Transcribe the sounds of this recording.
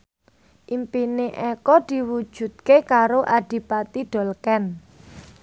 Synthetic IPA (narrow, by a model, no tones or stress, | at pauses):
ʔimpineʔɛkɔd̪̥i̤wu̥ʒ̥ṳd̪̚kekaɾoʔaɖ̥i̤pat̪iɖ̪̥ɔ̤lkɛn